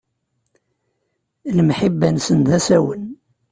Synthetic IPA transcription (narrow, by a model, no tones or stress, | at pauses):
lmħəbːænsənðæsæwən